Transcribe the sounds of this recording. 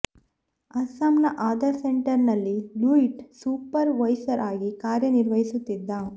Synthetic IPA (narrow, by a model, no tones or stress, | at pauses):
ɐsamnɐʔaːd̪ɐɾseɳʈɐɾnɐlːiluiʈsuːpɐɾʋɐjsɐɾʔaːɡikaːɾjɐniɾʋɐɦisut̪ːid̪ːa